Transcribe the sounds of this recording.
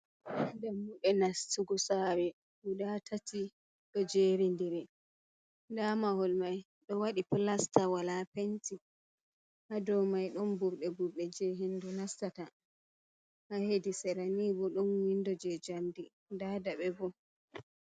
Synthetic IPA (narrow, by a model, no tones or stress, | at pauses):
ʔndɛmuɗɛnastuɡɔsawɛ | wudatʰatʰi | ɗɔd͡ʒeɾindiɾɛ | ndamahɔlmaj | ɗɔwaɗiplastawalapenti | hadɔwmajɗɔnbuɾɗɛbuɾɗɛd͡ʒɛɦendunastata | hahedisɛɾanibɔɗɔnwindɔd͡ʒɛd͡ʒamdi | dadaɓɛbɔ